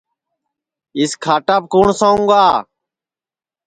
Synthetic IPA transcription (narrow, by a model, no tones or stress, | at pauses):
ɪskʰaːʈaːp̚kuːɳsãːũŋɡaː